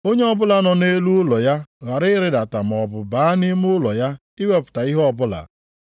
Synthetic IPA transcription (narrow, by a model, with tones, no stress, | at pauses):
o˦ɲe˦ɔ˦bʊ˦la˨nɔ˨ne˦lu˦ʊ˦lɔ˨ja˦ɣa˨ɾɪ˦ɾɪ˦da˨ta˨m˨ɔ˨bʊ˨baː˨˦ni˦mʊ˦lɔ˨ja˦ | i˦we˦pʊ̥˨ta˨i˦ɦɔ˦ɔ˦˨bʊ˦la̰˨